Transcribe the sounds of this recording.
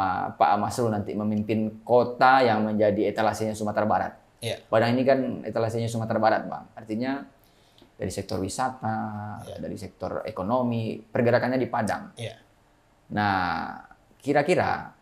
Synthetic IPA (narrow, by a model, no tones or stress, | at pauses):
a̰pa̰ʔa̰maslunant̪iməmimpɪnkot̪ajaŋməɲd͡ʒadiet̪alasiɲasumat̪aɾabaɾa̰t̪̚ | padaŋinikanḛt̪alasiɲas̬umat̪aɾabaɾat̪̚ba̰ŋart̪iɲa | da̰ɾisɛk̚t̪ɔrwisat̪ada̰ɾisɛk̚t̪ɔ̰rḛkonomipərɡəɾakanɲadipada̰ŋ | na | kiɾakiɾa̰